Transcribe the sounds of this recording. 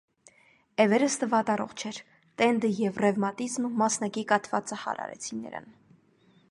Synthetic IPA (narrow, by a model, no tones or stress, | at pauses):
ɛvɛɾəst̪əvɑt̪ɑrɔ̰χt͡ʃʰɛɾ | t̪ɛnd̪əjɛvrɛvmɑt̪izmnumɑsnɑkikɑt̪vɑt͡səhɑ̰ɾɑ̰ɾɛ̰t͡sʰinɛ̰ɾɑ̰n